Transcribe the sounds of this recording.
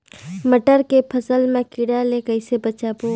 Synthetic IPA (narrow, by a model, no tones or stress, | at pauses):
məʈəɾkepʰəsəlmẽkiɽalekəɪsebət͡ʃaːbo